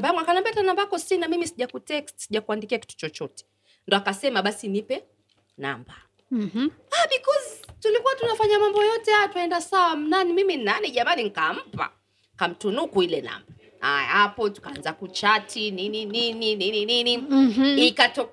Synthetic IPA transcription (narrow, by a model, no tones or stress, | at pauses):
mbaaŋɡakanambɛatanambaakɔsinamimisiʄakutɛkstsiʄakuandikiaki̥tu̥t͡ʃɔt͡ʃɔtɛ̥ | ndɔakasɛmaɓasinipɛ | na̰mba | aɓikɔzitulikuwatunafaɲamambɔjɔtɛajataɛndasawam̩nanimiminaniʄamaniŋ̩kam̩pa̰ | kam̩tunukuilɛna̰mba | a̰ja̰apɔtu̥kaanzakut͡ʃatʰininininininininiikatɔ